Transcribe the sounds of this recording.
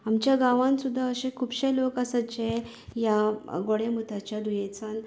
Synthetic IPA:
amt͡ɕjaɡãʋãnsud̪ʱːaəɕẽkʰuːbɕẽlokasat͡ɕe | jaɡoɽemut̪ʰat͡ɕjad̪ujẽt͡san

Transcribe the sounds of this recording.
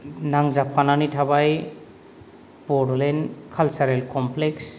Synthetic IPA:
naŋzapʰananitʰabaj | pɔɾlenkʰalsaɾelkɔmpleks

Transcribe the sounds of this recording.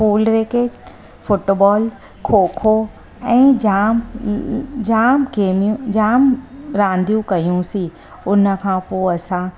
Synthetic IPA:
fuːlɾeːkeːʈ | fʊʈbɔːl | kʰoːkʰo | ɛ̃ːd͡ʑaːm | d͡ʑaːmkeːmiũd͡ʑaːmɾãːnd̪ʱijũkɐijũsi | ʊnə̆kʰãːpoːɐsã

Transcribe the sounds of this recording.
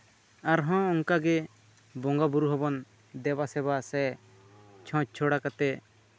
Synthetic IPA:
aɾɦɔ̃ɔŋkaɡɛ | bɔ̃ŋɡabuɾuɦɔbɔn | d̪ɛbasɛβasɛ | t͡ʃʰɔ̃t͡ʃ̚t͡ʃʰɔɽakat̪ɛ

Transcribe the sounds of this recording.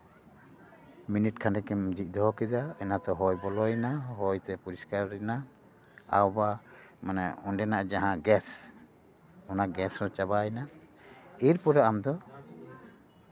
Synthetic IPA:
miniʈ̚kʰanɖɛkɛmd͡ʒic̚d̪ɔɦɔkid̪aɛnat̪ɛɦɔjbɔlɔjnaɦɔjt̪ɛpuɾiskaɾɾɛna | a̰wbamanɛɔnɖɛnaʔd͡ʒaɦãɡɛs | ɔnaɡɛsɾɔt͡ʃabajna | iɾpɔɾaʔamd̪ɔ

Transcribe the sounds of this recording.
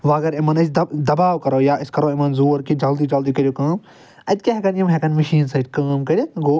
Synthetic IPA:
ʋaːɣɐɾɪmɐnɐt͡ʃd̪ɐd̪ɐbaːwkɐɾoːjaːɪskɐɾoːɪmɐnzoːɾkid͡ʒɐld̪iːd͡ʒɐld̪ikɐɾʲijokaːm | ɐt̪̚ʲkeɦɐkɐnjɐmɦekɐnmɐʃiːnsɐd͡ʒkaːmkɐɾʲiɡoː

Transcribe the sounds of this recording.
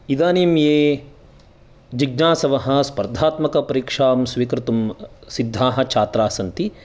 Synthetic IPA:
id̪aːniːmjeː | d͡ʒiɡnaːsɐʋɐɦɐ̆spɐɾd̪ʱaːt̪mɐkɐpɐɾikʂaːmsʋiːkɾɪt̪umsid̪ʱːaːɦɐ̆t͡ʃʰaːt̪ɾaːsɐnt̪i

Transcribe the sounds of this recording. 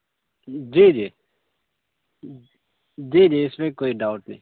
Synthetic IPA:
d͡ʒiːd͡ʒiː | d͡ʒiːd͡ʒiːɪsmẽːkoːiɖaːʊʈnĩː

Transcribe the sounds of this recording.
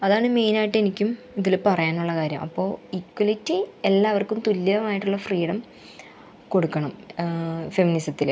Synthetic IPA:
ɐðaːɳɨme̞jnaːjiʈːe̞nikʲːum | iðilpɐrɐjaːnuɭːɐkaːɾjɐ̰mʔɐ̰pːo̞ːikwɐlitːielːaːʋɐrkːumt̪ulːɐðɐmaːjiʈːuɭːɐfriːɽɐm | ko̞ɽukːɐɳɐm | fe̞minisɐt̪ːil

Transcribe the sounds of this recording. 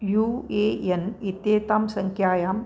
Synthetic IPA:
juejenit̪eːt̪aːmsəŋkʰjaːjaːm

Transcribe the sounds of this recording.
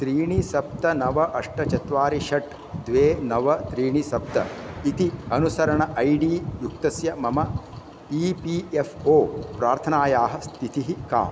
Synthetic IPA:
t̪ɾiːɳisɐp̚t̪ɐnɐʋɐʔɐʂʈɐt͡ʃɐt̪ʋaːɾiʃɐʈ | d̪ʋeːnɐʋɐt̪ɾiːɳisɐp̚t̪ɐ̰it̪iɐnusɐɾɐɳɐʔɐjɖiːjuk̚t̪ɐsjɐmɐmɐ | iːpiːefʰoːpɾaːɾt̪ʰɐnaːjaːɦɐ̆st̪ʰit̪iɦika̰ːm

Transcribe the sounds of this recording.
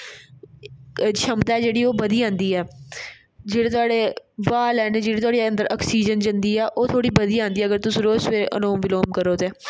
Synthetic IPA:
t͡ʃʰəmt̪aɛːd͡ʒeːɽiːoːbəd̪iːãːnd̪iːɛː | d͡ʒeːɽeːt̪ʊaːɽeːʋaːlɛːneːd͡ʒeːɽeːt̪ʊaːɽiə̃nd̪əɾʔɔːksiːd͡ʒənd͡ʒənd̪iːɛːʔoːt̪ʰoːɽiːbəd̪iːãːnd̪iːɛəɡəɾt̪ʊsũɾoːsʋeːʔə̰noːmʋɪloːmkəɾoːt̪eː

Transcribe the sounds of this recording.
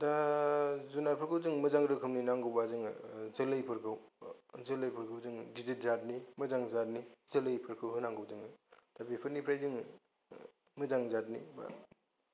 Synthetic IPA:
da | zunaɾpʰɯɾkʰɯwzɯŋmɯzaŋɾɯkʰɯmninaŋɡɯwbazɯŋ̰zɯlɯjpʰɯɾkʰɯwzɯlɯjpʰɯɾkʰɯwzɯŋɡizit̚zat̚nimɯzaŋzat̚nizɯlɯjpʰɯɾkʰɯwɦɯnaŋɡɯwzɯŋd̥abipʰɯɾnipʰɾajzɯŋ | mɯzaŋzat̚nḭba̰

